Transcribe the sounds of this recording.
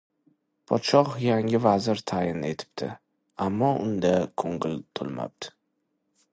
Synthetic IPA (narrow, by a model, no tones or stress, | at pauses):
pʰɒt̪ʃɒχjaŋɡʲɪvazɪɾt̪ʰajɪnet̪ʰɪ̥p̚t̪ʰɪ̰ | amːɒʔʊ̰nd̪akʰoŋɡɪlt̪ʰʊlˠma̰p̚d̪̥ɪ̥